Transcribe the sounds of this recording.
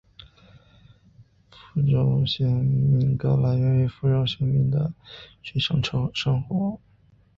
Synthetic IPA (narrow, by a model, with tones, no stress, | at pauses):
fu˥ʈ͡ʂo˧˩ʊɕjɛ˧˥mi˧˩ŋkɑ˥la˧˥ɪɥɛ˧˥nwe˧˥ɪfu˥˩ʈ͡ʂɑ˥ʊɕi˧˥ŋmi˧˥˩ŋd̪ə̰˧t͡ɕy˧˥ʂɤ˥˩ŋʈ͡ʂʰʂɤ˥ŋxwɔ˧˥